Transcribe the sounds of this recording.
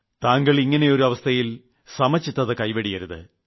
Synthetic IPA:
t̪aːŋɡɐɭiŋːɐne̞jo̞ɾuɐʋɐst̪ʰɐjil | sɐmɐt͡ɕːit̪ːɐðɨkɐjʋɐɽijɐɾuðɨ̰

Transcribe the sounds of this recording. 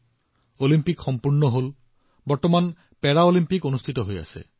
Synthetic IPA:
olimpikxɔmpuɾɳɔɦol | bɔɾt̪ɔman | peɾaolimpikonust̪ʰit̪ɔɦoja̰sḛ

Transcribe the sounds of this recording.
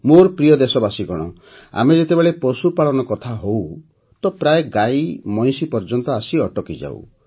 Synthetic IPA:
moɾpɾijɔd̪esɔbasiɡɔɽ̃ɔ | a̰med͡ʒet̪ebeɭepɔsupaɭɔnɔkɔt̪ʰaɦow | t̪ɔpɾaeɡajmɔj̃sipɔɾd͡ʒɔnt̪ɔasiɔʈɔkid͡ʒa̰w̰

